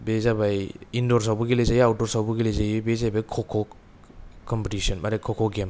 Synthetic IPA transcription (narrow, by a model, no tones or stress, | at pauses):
bezabajindɔɾsawbuɡilejzajiawtɔɾsawbuɡilejzajibezajbajkʰɔkʰːɔk | kːɔmpetisɔnmaɾekʰɔkʰɔɡem